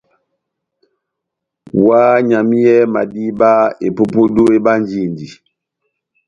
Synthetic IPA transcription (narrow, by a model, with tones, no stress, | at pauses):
wa˦ɲa˨mi˦jɛ˦ma̰˨di˦ba˦e˨po˦po˦do˦e˦ba˦n˦d͡ʒi˦˨ndi˨